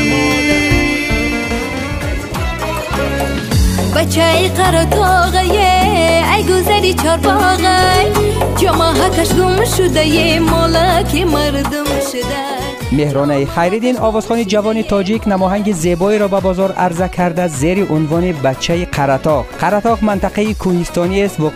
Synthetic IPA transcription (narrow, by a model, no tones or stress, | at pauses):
bat͡ʃʰaiqʰaɾat̪ʰɔʁajeajɡʊzaɾit͡ʃʰɔɾbɔʁajd͡ʒɔmaɦakaʃɡumʃud̪ajemɔlakimaɾd̪umʃʊd̪a | me̞hɾɔnaiχajɾid̪inɔvɔz̥χɔnid͡ʒavɔnit̪ʰɔd͡ʒiknamɔɦaŋɡize̞bɔiɾɔbabɔzɔɾa̰ɾzakʰaɾd̪aze̞ɾiʔunvɔnibat͡ʃʰːaiqʰaɾat̪ʰɔʁqʰaɾat̪ɔʁmant̪aqaikʰuhist̪ɔniest̪vu